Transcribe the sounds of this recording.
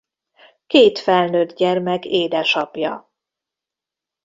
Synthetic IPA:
keːt̪fɛlnøːd̪ɟɛrmɛɡeːd̪ɛʃɒpjɒ

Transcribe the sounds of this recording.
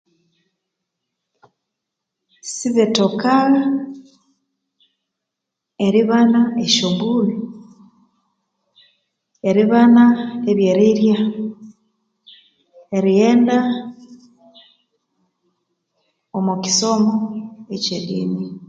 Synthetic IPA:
siβetokaɣa | eɾiβanaeʃombuli | eɾiβanaeβjeɾiɾja | eɾijeːnda | omuki̥somoeciɾḭːni

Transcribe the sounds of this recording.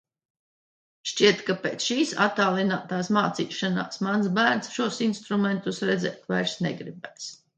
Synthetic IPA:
ʃt͡ʃiɛt̪kapeːt̪sʃiːsa̰t̪aːlˠinaːt̪aːsmaːt̪siːʃana̰ːsmansbæːɾnsʃuɔsinst̪ɾumɛnt̪usɾɛd̪zɛ̰ːt̪ʲvajɾsnɛɡɾibɛːs

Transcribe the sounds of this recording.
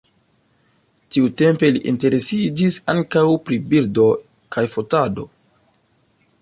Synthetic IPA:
tiute̞mpe̞liʔḭnte̞ɾe̞sid͡ʒisa̰ŋkawpɾibildo̞ | kajfotado̞̰

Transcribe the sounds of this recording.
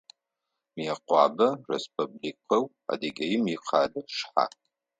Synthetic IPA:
mjɛqʷɑːbɐrḛspʰublikʰɐw | a̰dɐɡʲɐjɪmjiqʰɑːdɐʂħa̰

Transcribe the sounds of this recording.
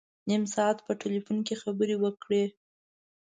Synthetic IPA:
nimsɑat̪pəʈelifunkexabəɾewəkɽe

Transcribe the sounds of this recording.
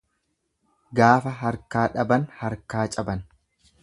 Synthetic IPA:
ɡaːfɐɦɐɾkaːᶑɐbɐnhɐɾkaːt͡ʃʼɐbɐn

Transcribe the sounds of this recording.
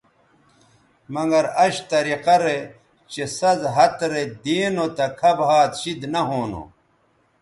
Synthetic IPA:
mɐŋɡɐɾɐɕt̪ɐɾiqɐɾe | t͡ɕesɐzɦɐt̪ɾed̪iːnot̪ɐkʰɐbɦaːt̪ɕid̪nɐɦoːno̰

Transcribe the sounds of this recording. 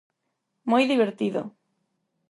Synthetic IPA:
mojðiβeɾt̪iðo̰

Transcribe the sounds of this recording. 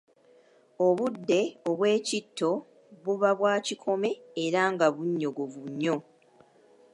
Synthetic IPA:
o̞βudːe̞oβwe̞ːcitʰːo̞ | βuβaβwaːcikʰo̞me̞ːɾaŋɡaβuɲːo̞ɡoβuɲːo̞

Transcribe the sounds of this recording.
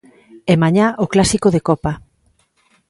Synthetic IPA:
ɛmaɲaʔoklasikoðekɔpa

